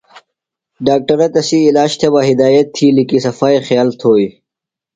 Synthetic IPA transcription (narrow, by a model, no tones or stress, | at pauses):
ɖaːk̚ʈɐɾɐt̪ɐsiːlaːɕt̪ʰebaɦɪd̪aːjɐt̪ʰːilikisɐfaːixjaːlt̪ʰoːi